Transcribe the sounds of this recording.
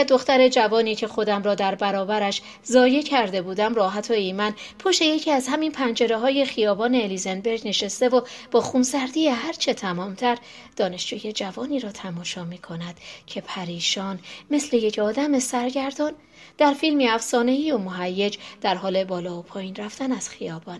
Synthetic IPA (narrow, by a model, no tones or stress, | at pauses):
d̪oxt̪æɾe̞d͡ʒævɒːniːcʰe̞xo̞d̪æmɾɒːd̪æɾbæɾɒːbæɾæʃ | zɒːje̞cʰæɾd̪e̞buːd̪æmrɒːɦæt̪ʰoimæn | pʰo̞ʃt̪e̞je̞cʰiːæzhæminpʰænd͡ʒe̞ɾeɦɒːje̞xijɒːbɒːne̞ːlizenbe̞ɾɟne̞ʃest̪e̞vob̥ɒːxunsæɾd̪iːeɦæɾt͡ʃʰe̞t̪ʰæmɒːmt̪ʰæɾ | d̪̥ɒːne̞ʃd͡ʒuːje̞d͡ʒævɒːniːɾɒːt̪ʰæmɒːʃɒːmiːkʰo̞næd̪̥cʰe̞pʰæɾiːʃɒːnme̞sle̞je̞cʰɒːd̪æme̞sæɾɟæɾd̪ɒːn | d̪̥æɾfilmiæfsɒːne̞iːomoɦæjːe̞d͡ʒd̪̥æɾɦɒːle̞bɒːlɒːopʰɒːjiːnræft̪ænæz̥xijɒːbɒn